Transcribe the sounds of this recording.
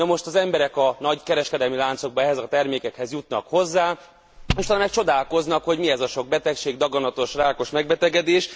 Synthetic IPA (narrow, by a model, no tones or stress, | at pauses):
nɒmo̞ʃt̪ɒzɛmbɛɾɛkɒnɒɟkɛɾɛʃkɛd̪ɛlmilaːnt̪so̞ɡ̚bɒɛɦɛzɒt̪ɛrmeːkɛkhɛzjut̪nɒ̰kho̞zːaː | oʃt̪ɒlmɛk̚t͡ʃo̞d̪aːlko̞znɒkho̞ɟmiɛzɒʃo̞ɡ̚bɛt̪ɛkʃeːɡd̪ɒɡɒnɒt̪o̞ʃraːko̞ʃmɛɡ̚bɛt̪ɛɡɛd̪eːʃ